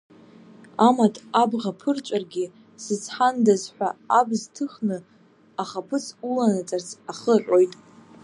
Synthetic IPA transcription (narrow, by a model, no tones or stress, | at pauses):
amatʰʼabʁapʰɨrt͡ʃʷʼarɡʲi | sɨt͡sʰħandazħʷᶣaabztʰɨχnɨ | aχapʰɨsulanat͡sʼart͡sʰaχəħʷʼo̞jtʼ